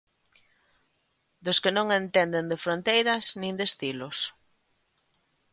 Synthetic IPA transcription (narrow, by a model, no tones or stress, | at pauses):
d̪oskɪnõŋent̪end̪end̪efɾont̪ejɾɐznĩŋd̪est̪ilʊs